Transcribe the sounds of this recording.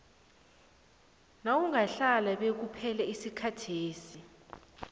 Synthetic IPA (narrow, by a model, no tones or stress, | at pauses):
nawuŋaɬalaɓek̬upʰɛlaisikʰatʰeːsi